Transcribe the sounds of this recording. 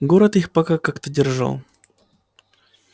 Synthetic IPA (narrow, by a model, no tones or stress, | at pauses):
ɡoɾət̪ixpɐkakakt̪ədʲɪrʐa̰lˠ